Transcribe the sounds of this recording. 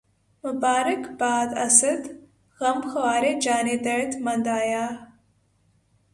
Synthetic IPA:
mʊbaːɾəkbaːd̪ɐsɐd̪ | ɣɐmxɐwaːɾed͡ʒaːned̪ɐt̪mɐnd̪aːjaː

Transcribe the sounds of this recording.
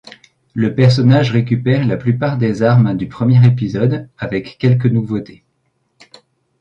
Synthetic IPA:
ləpɛʁs̬ɔnaʒʁek̬ʲypɛʁlaplypaʁd̪ezaʁmd̪ypχəmjɛʁep̬izɔd̪avɛkːɛlk̬ənuvot̪e

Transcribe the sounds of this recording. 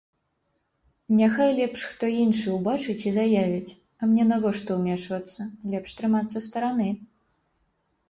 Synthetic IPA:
nʲaxajlʲɛpʂxt̪ɔinʂɨwbat͡ʂɨt͡sʲizajavʲit͡sʲ | ɐmnʲɛnɐɣɔʂt̪ɐwmʲɛʂvɐt̪sːɐlʲɛpʂt̪ɾɨmat̪sːɐst̪ɐɾanɨ

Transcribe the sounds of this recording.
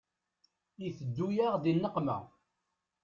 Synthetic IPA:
iθəd̪ːujaʁðinːəqmæ̰

